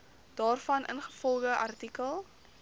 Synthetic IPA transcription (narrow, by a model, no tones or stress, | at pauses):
d̥ɑːrfɐnʔə̰nχəfɔlˠχəʔɐrtikəlˠ